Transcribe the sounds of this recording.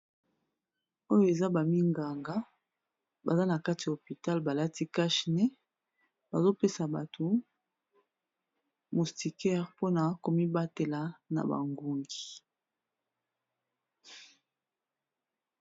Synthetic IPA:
o˦jo˦e˨za˦ba˨mi˦ŋɡa˨ŋɡa˦ | ba˨za˦na˨ka˦ti˨ja˨o˨pi˨ta˦lba˨la˦ti˦ka˦ʃi˨nɛ˦ | ba˨zo˦pe˦sa˨ba˨tʰo˨ | mo˨sti˨kɛ˦ʁpo˦na˨ko˨mi˦ba˦te˨la˨na̰˨ba̰˨ŋɡu˨ŋɡi˨

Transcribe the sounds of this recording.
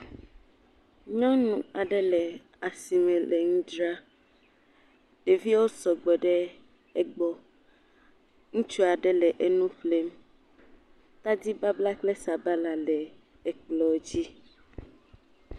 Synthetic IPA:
ɲɔ̃˦nũ˨a˨ɖɛ˦lɛ˨ | a˨si˨mɛ̃˨lɛ˨ŋũ˦dɾa˦ | de˨vi˦wo˦sɔ˨ɡ͡bɔ˨ɖɛ˦ | ɛ˦ɡ͡bɔ˦ | ŋũ˦t͡ʃu˦a˨ɖɛ˦lɛ˨ʔe˦nũ˦ɸle˦m | t̪a˦di˦ba˦bla˦k͡ple˦sa˨ba˦la˨lɛ˨ | ɛ˨k͡plɔ˨d͡ʑi˦

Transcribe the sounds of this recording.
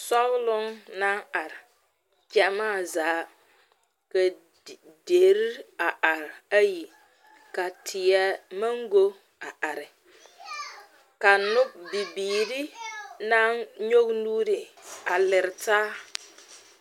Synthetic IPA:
sɔ˦wlʊ˦ŋna˦ŋa˨ɾɪ˨ | t͡ʃɛ˦maː˦˨zaː˨˦ | ka˨ | de˨ɾi˦ɾa˨ʔa˨ɾɪ˨a˦ji˨ | ka˨tʰɪ˨ɛ˦ma˦ŋɡo˦ | a˨ʔa˨ɾɪ˨ | ka˨nʊ˦b̚bi˨biː˨ɾi˦na˦nɲo˦ɡnuː˦ɾɪ˨a˨lɪ˨ɾɪ˨taː˦

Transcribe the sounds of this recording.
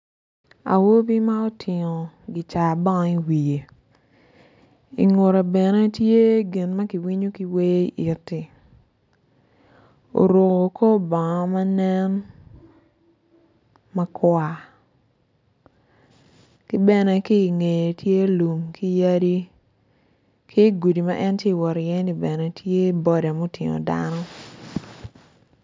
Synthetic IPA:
a̰˨wo˦bi˦ma˦o˦tʰɪ˨ŋo˨ɡi˨t͡ʃa˨bɔ˦ŋ˦i˦wi˨je˨ | ḭ˨ŋo˨ɾa˨bɛ˨nɛ˦tje˦ɡɪ˨nma˦ki˨wi˦ɲo˦ki˦we˦i˦ʔi˨tːi˨ | o̰˨ɾo˨ko˨ko˦bɔ˨ŋɔ˦ma˦nɛ˦n | ma˦kwa˨ | kɪ˦bɛ˦nɛ˦ki˦˨ŋe˨je˨tʰje˦lu˨mki˦ja˦di˦ | kʰi˦ɡu˨di˨ma˦ʔɛ˦ntje˦˨wɔ˨ɾjɛ˦ni˨bɛ˨nɛ˨tʰje˦bɔ˦da˨mo˦ti˨ŋo̰˨da̰˦nɔ˦

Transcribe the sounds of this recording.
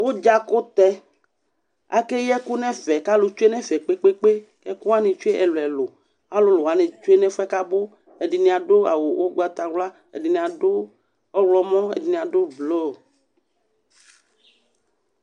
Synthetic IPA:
wo˦d͡ʒa˦ko˦t̪ɛ˦ | a̰˨ke˦jɛ˦ku˦nɛ̃˦fɛ˨ka˦lo˨t͡ʃu˦e˦nɛ̃˦fɛ˨k͡pe˦k͡pe˦k͡pe˦kɛ˦ku˦a˦nẽ˨t͡ʃu˦e˦ʔɛ˨lo˨ɛ˨lo˨ | a˦lo˨lo˨a˨˦nẽ˨t͡ʃo˦e˦nɛ̃˦fɛ˦ka˦bo˦ | e˨di˨nĩ˨a˨ɖo˦a̰˨wo˨wʔo˦ɡ͡ba˨t̪a˨wla˦ | ḛ˨di˨nĩ˨a˨ɖo˦ | ɔ˦wlɔ˨mɔ̃˦ḛ˨di˨nĩ˨a˨ɖo˦blo˦˨

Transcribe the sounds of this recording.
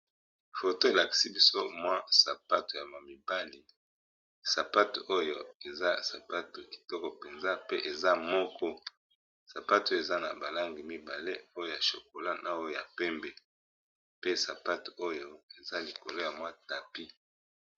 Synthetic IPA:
fo˨to˦e˨la˨ki̥˨si˦bi˦so˦mwa˦sa˨pa˦to˨ja˨ma˨mi˨ba˦li˨ | sa˨pa˦to˨ʔo˦jo˦e˨za˦sa˨pa˦to˨ki̥˨tɔ˦kɔ˨pe˨nza˦pe˦ʔe˨za˦mɔ˦kɔ˦ | sa˨pa˦to˦˨e˨za˦na˨ba˨la˦ŋɡi˨mi˦ba˨le˦o˦jo˦˨ja˨ʃo˨ko˨la˦nʔa˦wo˦ja˨pɛ˦mbɛ˨ | pe˦sa˨pa˦to̥˨o˦jo˦e˨za˦li˨ko˨lo˦ja˨mwa˦ta˨pi˦

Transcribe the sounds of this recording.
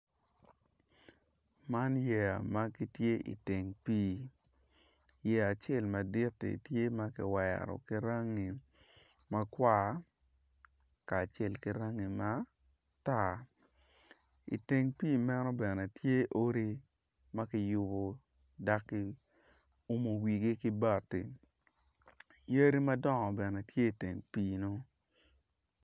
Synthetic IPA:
ma˦njɛ˨a̰˨ma˦ki˦tje˦ʔḭ˨te˨ŋpiː˦ | jɛ˨a˨t͡ʃe˦˨lma˨dɪ˦tːḭ˨tje˦ma˦kɪ˨wɛ̰˨ɾɔ̰˨ki˦ɾa˦ŋi˨ | ma˦kwa˦ | kaː˨t͡ʃe˦˨lki˦ɾa˦ŋi˨ma˦ | ta˦˨ | ḭ˨te˨ŋpiː˦mɛ˦nɔ˦bɛ˨nɛ˨tje˦ʔo˦ɾi˦ | ma˦kɪ˦jʊ˦bo˨ | da˦kːi˦ | u˦mo˨wi˨ɡe˦kɪ˦ba˨tːḭ˨ | je˦ɾi˦ma˦dɔ˦ŋɔ˨bɛ˨nɛ˨tje˦i˨te˨ŋpiː˦no˦

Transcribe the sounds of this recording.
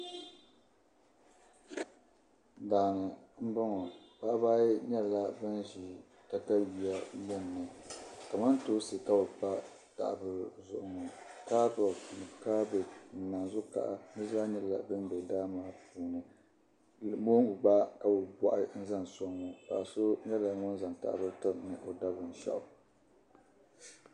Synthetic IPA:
daː˨nɨ˨m̩˦ba˦ŋɔ˨pa˦ʔbaː˦ɲɛ˦lla˦bɨ˦nʒi˨ | ta˦ta˦ji˨a˦jɛ˦˨nː˨ɨ˨ka˨ma˦nto˦sɨ˨ka˦bɨ˨pa˦ | ta̰˨ʔbɨ˦zʊ˨ʔʊ˨ŋɔ˨kaː˦bɔ˨nɨ˨kaː˦bɛ˨n̩˨˦naː˨nzʊ˦ka̰˦˨ʔa̰˦nɨ˦za˦ɲɛ˦lla̰˨bɨ˦n˦bɛ˨daː˦maː˦puː˨˦nɨ˨ | mo˦ŋʊ˨ɡ͡ba˦ka˨bɨ˨bɔ˨ʔɪ˦n̩˦za˦nsɔ˦ŋːo˨ka̰˨a˨so˦ɲɛ˦la˨˦ŋʊ˦n˦za˨ŋta̰˨ʔbɨ˦ɾtɨ˦m˨nɨ˨ʔo˨da˦bɨ˨n˨ʃa̰˦ʔʊ˨

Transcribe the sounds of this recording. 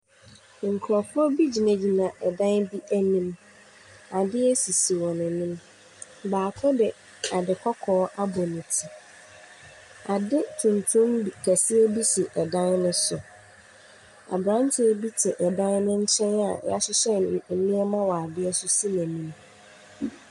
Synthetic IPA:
ŋ̩˨kʰɾɔ˨fʰɔ˦bi˦d͡ʑi˨næ˨d͡ʑi˨nã˨ʔɛ˨dã˦nbi˦ʔæ˦nĩ˦m | a˨dɪ˦ɛ˦si˨si˨wɔ̃˨nɛ̃˨nɪ̃˦m | baː˨kʰɔ˦dɛ˨ | a˨dɪ˨kʰɔ˦kʰɔː˨˦ʔa˦bɔ˨nʊ̃˨tʰi˨ | a˨dɪ˦tʰũ˨n˨tʰũ˦mkʰæ˨sɪ˦ɛ˦bi˦si˨ʔɛ˨dã˦nnʊ̃˦sʊ˨ | a̰˨bɾã˦ntʰɪ˦bi˦tʰɪ˨ʔɛ˨dã˦nnʊ̃˦ɲ̩˦t͡ɕʰɛ̃˦na̰˨ɛ̰˦ja˦sʊ˦ɕɛ˦n˨mĩ˦ɛ˦mã˦wa˨a˨dɪ˦ɛ˦sʊ˦si˦næ̃˨nĩ˦m

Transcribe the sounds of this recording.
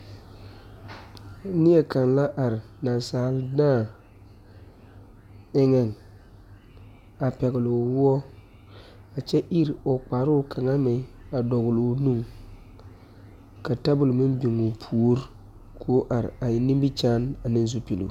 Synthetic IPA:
nɪ˦ɛ˨ka˨nla˦ʔa˨ɾɪ˨ | na˨nsaː˨ldaː˦˨ | ɪ˦ŋɛ˨n | a˨pɛ˨ɣɪ˨lo˨wʊ˦ɔ˦ | a˨t͡ʃɛ˦ʔi˦ɾo˨k͡pa˨ɾʊ˦˨kʰa˨ŋa˦mɛ˨˦a˨dɔ˨ɣʊ˨lnu˦ŋ | ka˨ta˦bʊ˨lmi˦mbi˨ŋu˨pʰu˨o˦ɾ | kʰo˨˦ʔa˨ɾɪ̰˨a˨ji˦ni˦mbi˦t͡ʃaː˦na˨ni˦n˦zu˦pi˨lo̰˨

